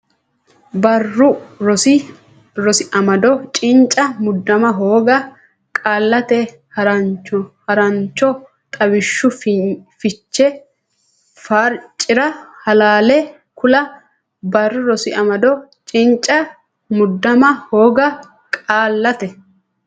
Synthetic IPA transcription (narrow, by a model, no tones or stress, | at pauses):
bɐrːʊɾɔsɪ | ɾɔsɪʔɐmɐd̪ɔt͡ʃʼɪnt͡ʃʼɐmʊd̪ːɐmɐɦoːɡɐ | kʼaːlːɐt̪ɛ | hɐɾɐɔhɐɾɐnt͡ʃːɔ | t̪ʼɐwɪʃːʊffɪt͡ʃːɛ | fɐɾt͡ʃʼːɪɾɐhɐlaːlɛ | kʊlɐ | bɐrːʊɾɔsɪʔɐmɐd̪ɔt͡ʃʼɪnt͡ʃʼɐ | mʊd̪ːɐmɐho̞ːɡɐ | kʼaːlːɐt̪ɛ